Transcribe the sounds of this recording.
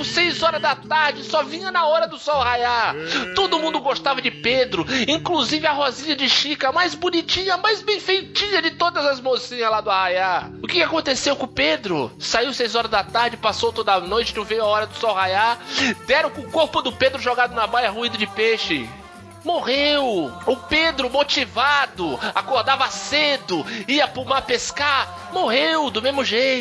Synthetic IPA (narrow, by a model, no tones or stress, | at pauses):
sejzɔɾɐzd̪ɐt̪aɾd͡ʒɪsɔvĩɲɐnɐɔɾɐd̪ʊsɔwhajat̪od̪ʊmũnd̪ʊɡost̪avɐd͡ʒɪped̪ɾʊĩkluzivɪɐɦɔziɲɐd͡ʒɪʃikɐmajzbonit͡ʃĩɲɐmajzbẽj̃fejt͡ʃĩɲɐd͡ʒɪt̪od̪ɐzɐzmosĩɲɐlad̪ʊahajaʊkɪkakõnt̪esewkõped̪ɾʊsaiwsejzɔɾɐzd̪ɐt̪aɾd͡ʒɪpasowt̪od̪anojt͡ʃɪnɐ̃w̃vejʊaɔɾɐd̪ʊsɔwhajad̪ɛɾɐ̃kõʊkoɾpʊd̪ʊped̪ɾʊʒoɡad̪ʊnɐbajɐɦuĩd̪ʊd͡ʒɪpeʃɪ | moʁewʊped̪ɾʊmot͡ʃivad̪ʊa̰koɾd̪avɐsed̪ʊiɐpumaɾpeska | moɦewd̪ʊmezmʊʒej̪